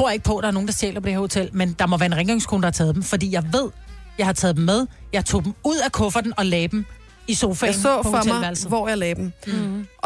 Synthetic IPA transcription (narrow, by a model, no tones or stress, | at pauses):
t͡sʰo̝ɐ̰jɑeɡ̥̚pʰɒ̽d̥ɑ̈æɐnoːŋnd̥ɑ̈ɕjḛːlɐpʰɒd̥eheɐho̝t͡sʰel̰mend̥ɑ̈mɒʋæɐe̝nʁɛŋɡ̥ɑŋskʰonəd̥ɑhɑ̈t͡sʰɛːðˠd̥em̩fɒd̥ḭːjɑ̈ɪʋe̝ð̞̰ˠ | jɑ̈ɪhɑ̈t͡sʰɛːðd̥em̩mːeð̞ˠjɑ̈ɪt͡sʰo̝̰ːd̥m̩uð̞̰ˠækʰɔ̽fɐd̥enɒ̽lɛːd̥em | iso̝ːfɛsɔɒʋæɐls̩ʋɒjaɪlɛːd̥m̩